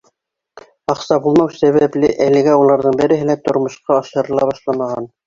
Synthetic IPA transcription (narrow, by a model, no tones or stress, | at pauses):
ɑqsɑbulˠmɑwsæβæplɘʔælɘ̆ɡæulˠɑɾðɤɴbɘ̆ɾɘ̆ɦɘlæt̪ŏɾmŏʃqɑːʃɤ̆ɾɤ̆lˠɑβɑʃlˠɑmɑʁɑn